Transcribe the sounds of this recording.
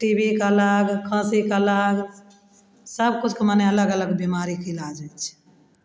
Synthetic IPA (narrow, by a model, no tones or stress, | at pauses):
ʈibikələɡkʰə̃sikələɡ | səb̚kut͡ʃʰkemaneələɡələɡbimaɾikʰilad͡ʒɛt͡ʃʰ